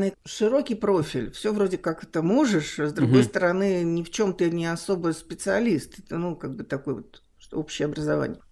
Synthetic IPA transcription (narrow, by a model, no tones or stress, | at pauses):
nɨʂɨɾo̞kʲɪjpɾo̞fʲɪlʲfsʲovɾo̞dʲɪkakɛt̪əmo̞ʐɨʂzd̪ɾʊɡo̞jst̪əɾɐnɨnʲɪft͡ɕo̞mt̪ɨnʲɪɐso̞bəspʲɪt̪sɨɐlʲist̪ɛt̪ənukaɡ̚bɨt̪ɐko̞jvot̪ | o̰pɕːɪjəɐbɾəzɐva̰nʲɪjə